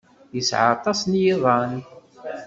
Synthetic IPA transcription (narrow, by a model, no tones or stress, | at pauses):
jəsʕɑ̰t̪ˤɑsnjɪðˤɑn